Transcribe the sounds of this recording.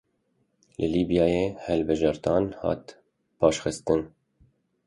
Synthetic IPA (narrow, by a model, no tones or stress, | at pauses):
lʔɨliːbijɑːjeːhɛlbɨʒɑːɾt̪ɑːnhɑ̰ːt̪ | pʰɑːʃxɨst̪ɨn